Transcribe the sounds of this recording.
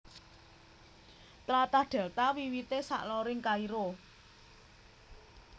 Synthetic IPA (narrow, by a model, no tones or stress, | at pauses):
t̪ɾat̪ahɖ̪̥ɛ̤lt̪awiwit̪esa̰ʔlɔɾɪŋkaiɾo